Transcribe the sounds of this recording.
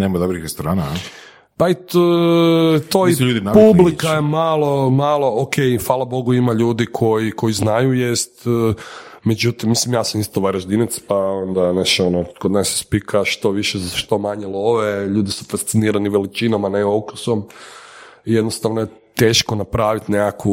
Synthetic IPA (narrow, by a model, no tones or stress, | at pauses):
neːmad̪obɾixɾest̪oɾaːna | pait̪ | t̪oisʎuːd̪inapublikajemalo̞malˠookʰejfʋaːlˠabo̞ɡuimaʎuːd̪ikʰo̞jiko̞jiznajujest̪ː | med͡ʒut̪imːislimjaːsamist̪oʋaɾaʒd̪inat̪spaond̪aneʃonokod̪nase̥spikʰaʃt̪o̞ʋiʃezaʃt̪o̞maɲelˠo̞ʋeʎuːd̪isu̥fast̪siniːɾaniʋelit͡ʃinamaneokusom | ijed̪nost̪aʋnoje | t̪eːʃkonapɾaːʋit̪nekaku